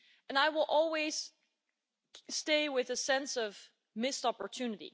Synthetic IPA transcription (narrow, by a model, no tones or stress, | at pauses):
ɨ̃naɪwɪlˠʔɔlˠwiz̥ | steɪwɪðɨsɛ̃nsʌv | mɪstɑpə˞tʰʉnɨɾḭ